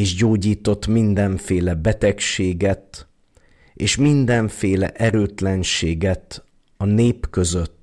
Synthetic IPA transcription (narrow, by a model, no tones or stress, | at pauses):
eːʃɟoːɟiːt̪o̞t̪mind̪ɛɱfeːlɛbɛt̪ɛkʃeːɡɛt̪ | eːʃmind̪ɛɱfeːlɛ̰ʔɛɾøːt̪lɛnʃeːɡɛt̪ | ɒneːpkø̞zøt̪ː